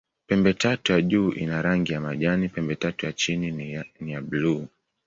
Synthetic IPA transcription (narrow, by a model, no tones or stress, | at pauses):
pɛmbɛtatujaʄuːʔḭnaɾaŋɡijamaʄanipɛmbɛtatujat͡ʃininijabluː